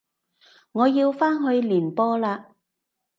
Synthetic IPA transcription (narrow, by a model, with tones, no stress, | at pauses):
ŋɔː˨˧jiː˧wfaː˥nɦɵ˨˧ɥliː˨˩npɔː˥laː˧